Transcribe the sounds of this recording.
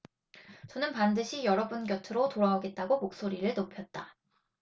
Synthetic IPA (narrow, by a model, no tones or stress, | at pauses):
t͡ɕʌnɯnpandɯɕʰijʌɾʌbunɡjʌtʰɯɾotoɾaoɡe̞t̚t͈aɡomok̚s͈oɾiɾɯɭnopʰjʌt̚t͈a